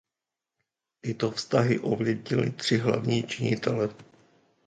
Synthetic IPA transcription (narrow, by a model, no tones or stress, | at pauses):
t̪ɪt̪ofst̪aɦɪʔovjɛdɲɪlɪ̰t̪r̝̥ɪɦla̰vɲiːt͡ʃɪɲɪt̪ɛlɛ